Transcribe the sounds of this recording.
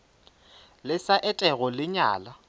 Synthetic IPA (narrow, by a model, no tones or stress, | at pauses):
lɪsaʔɛtʼɛɣɔlɪɲa̰ːla